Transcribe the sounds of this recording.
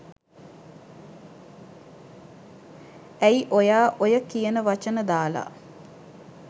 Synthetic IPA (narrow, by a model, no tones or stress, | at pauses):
æiʔojaːʔojəkijənəʋat͡ʃənəd̪aːla̰